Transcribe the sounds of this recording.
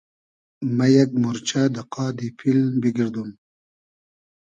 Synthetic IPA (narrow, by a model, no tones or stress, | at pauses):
majaɡmuɾt͡ʃʰad̪əqɑːd̪ipʰilbiɡiɾd̪um